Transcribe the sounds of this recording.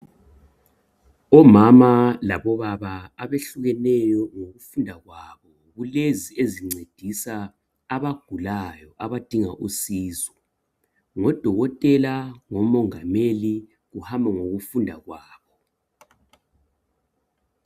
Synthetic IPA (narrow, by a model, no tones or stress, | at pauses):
ɔmamalaβɔβaβaːβeɬuɣɛnɛjɔŋoɣufundʱaɣwaβɔ | ɣulezieziŋ͡ǀed̥ʱisaː | βaɡ̥ʱulajɔʔaβad̥ʱiŋa̰ʔusiːzɔ | ŋɔd̥ʱɔɣɔtʼɛlaŋɔmɔŋameli | ɣuhambʱaŋoɣufundʱaɣwaːβɔ